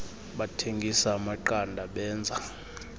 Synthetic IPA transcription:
ɓatʰeŋɡʱisaːmaǃandʱaɓɛːnd͡zʱa

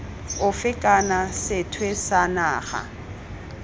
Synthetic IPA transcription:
ʊfɪkʼanasɪtʰwesanaːχa̰

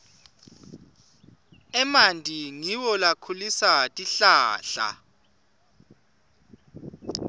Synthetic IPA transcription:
ɛmandʱʼiŋiwɔlakʰulisatʼiɬaːɬa̰

